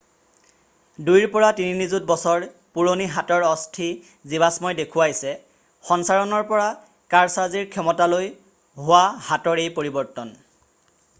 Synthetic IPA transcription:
dujɹpɔɹatininizut̚bɔsɔɹ | puɹoniɦatɔɹɔstʰi | zibasmɔjdekʰʊwajsɛ | xɔnsaɹɔnɔɹpɔɹa | kaɹsaziɹkʰɔmɔtaloj | ɦʊwahatɔɹejpoɹibɔɹtɔn

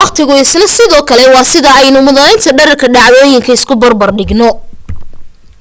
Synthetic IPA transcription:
ɑqt̪ʰɪɣʊɪsnɐsɪðɔːkʰɐlɛwɑːsɪðɐɛjnʊmʊðɐnɛjnt̪ʰɐɖɐɾɐrkʰɐɖɑʕðɔːjɪŋkʰɐɪskʰʊbɐrbɐrɖɪɡnɔ

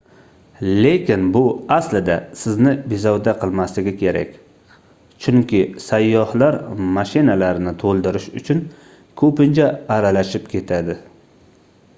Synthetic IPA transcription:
le̞kʲʰɪnbʊaslɪd̪asɪznɪbizɒwd̪aqʰɨlˠmaslɪɡʲɪkʲʰe̞ɾa̰kʲ | t͡ʃʰʊŋkʲɪsajːɒhlaɾmaʃɪnalaɾnɪt̪ʰolˠd̪ɪɾɪʃʊ̰t͡ʃʰʊn | kʰɵpɪnt͡ʃʰaːɾalaʃɪp̚kʲʰe̞t̪ʰad̪ɪ

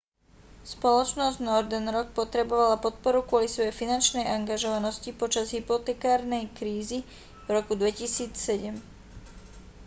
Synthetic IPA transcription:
spɔlɔt͡ʃnɔzɟnɔɾd̪ɛnɾɔk̚pɔt̪ɾɛbɔʋalapɔt̪̚pɔɾukʊɔlisʋɔjɛfinant͡ʃnɛjaŋɡaʒɔʋanɔscipɔt͡ʃazɦipɔt̪ɛkaːɾnɛjkɾiːzi | vɾɔkud̪ʋɛcisiːt͡ssɛɟɛm

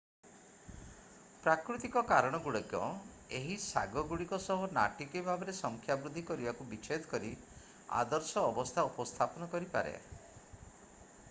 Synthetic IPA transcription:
pɾakɾut̪ikɔkaɾɔɽ̃ɔɡuɽɔkjɔ̰ | eɦisa̰ɡɔɡuɽikɔsɔɦɔna̰ʈikibʱabeɾesɔŋkʰjabɾud̪ʱːikɔɾibakubit͡ʃed̪kɔɾi | a̰d̪ɔɾsɔːbɔst̪ʰaupɔst̪ʰapɔnɔkɔɾipa̰ɾḛ

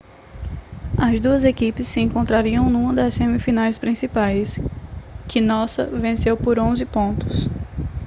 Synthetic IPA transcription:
ɐzd̪uɐzekipɪsːɪẽkõnt̪ɾaɾiɐ̃w̃nũmɐd̪ɐssẽmifinajspɾĩsipajs | kɪnɔsɐ̰vẽsewpoɾõzɪpõnt̪ʊ̥s

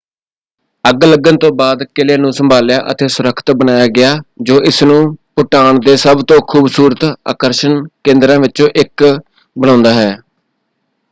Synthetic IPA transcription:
əɡləɡənt̪õːbaːd̪kɪleːnũːsəmbʱaːljaːʔə̰t̪eːsʊɾəkʰt̪bənaːjaːɡɪaːd͡ʒoːʔɪsnũːpʊʈaːɳd̪eːsəbt̪õːkʰuːbsuːɾət̪a̰ːkəɾʃənkẽːnd̪ɾãːʋɪt͡ʃõːʔɪk | bəɽãːnd̪aːɦɛː

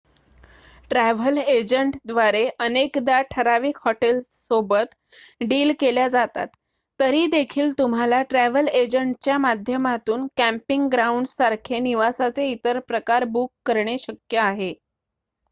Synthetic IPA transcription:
ʈɾæʋ̤əled͡ʑəɳʈd̪ʋaɾeʔənekd̪aʈʰəɾaʋiːkɦɔʈelsobət̪ | ɖiːlkeljad͡zat̪a̰t̪ː | əɾiːd̪ekʰiːlt̪um̤alaʈɾæʋəled͡ʑəɳʈ̚t͡ɕjamad̪ʱjəmat̪uːnkæ̃mpiŋɡɡɾauɳɖsaɾkʰeniʋasat͡seit̪əɾpɾəkaɾbukːəɾɳ̃eɕəkjəaɦe

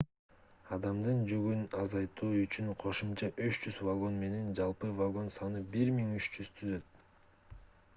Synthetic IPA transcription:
ɑd̪ɑmd̪ɯnd͡ʒyɡynɑzɑjt̪uːyt͡ʃynqʰo̞ʃumt͡ʃɑʔyʃd͡ʒyzvaɡo̞nme̞ne̞nd͡ʒɑlˠpɯvaɡo̞nsɑnɯbiɾmiŋyt͡ʃd͡ʒyz̥t̪ʰyzø̞t̪̚

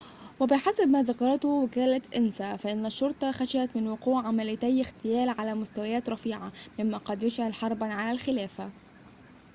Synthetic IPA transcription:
wæbɪħasabmæːzakɑɾˤɑt̪ʊwɪkæːlæt̪ʔɪnsæfæʔɪnːæʃːʊɾˤt̪ˤɑxæʃaʔæt̪mɪnwʊquːʕʕamælɪjt̪æjɪxt̪ɪjæːlʕalæːmʊst̪æwajæːt̪ɾˤɑfiːʕamɪmːæqɑd̪jʊʃʕalħɑɾˤbænʕalælxɪlæːfæ

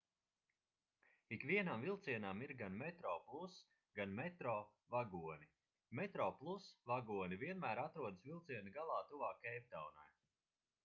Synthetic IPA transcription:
ikviɛnamvilˠt̪siɛnamiɾɡanmɛt̪ɾɔːplˠus | ɡanmɛt̪ɾɔː | vaɡuɔnʲi | mɛt̪ɾɔːplˠusvaɡuɔnʲivʲiɛnmæːɾat̪ɾuɔd̪ɨsvʲilˠt̪siɛnuɡalˠɑːt̪uvaːkːɛjp̚t̪awna̰j

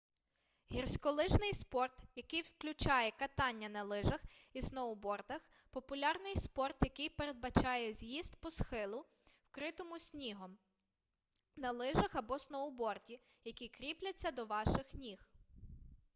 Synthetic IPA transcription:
ɦʲirsʲkɔlˠɪʒnɪjspɔrt̪jɐkɪjwklʲʊt͡ʃɑjɛkɐt̪ɑnʲːɐnɐlˠɪʒɐxisnɔɔbɔrt̪ɐx | pɔpʊlʲɑrnɪjspɔrt̪jɐkɪjpeɾed̪̚bɐt͡ʃɑjɛzʲjizt̪pɔsxɪlˠʊ | wkɾɪt̪ɔmʊsʲnʲiɦɔm | nɐlˠɪʒɐxɐbɔsnɔɔbɔrtʲijɐkʲikɾʲiplʲɐt͡sʲːɐd̪ɔʋɑʃɪxnʲix

